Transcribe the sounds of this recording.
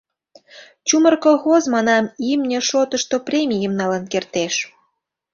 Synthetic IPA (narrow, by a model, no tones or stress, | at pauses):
t͡ɕumərkolˠxozmɑnɑmimnʲeʃot̪əʃt̪oprʲemʲijəmnɑlɑnkert̪eʃ